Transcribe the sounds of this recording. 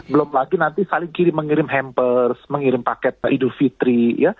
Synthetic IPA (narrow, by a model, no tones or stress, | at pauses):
bəlʊmlaɡinant̪isalɪŋkiɾɪməŋiɾɪmɦɛmpərsməŋiɾɪmpakɛt̪̚ʔidufit̪ɾija